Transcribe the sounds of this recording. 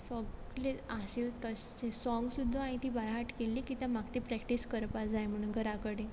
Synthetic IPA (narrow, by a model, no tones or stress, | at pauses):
sɔɡ | leaɕilt̪ət͡ɕesɔ̃ŋɡsud̪ʱːaãĩt̪iːbajɦaʈkelːiːkit̪ãmaɡt̪ipɾɛkʈiskəɾpad͡zajm̤əɽ̃uːnɡʱəɾakəɽẽ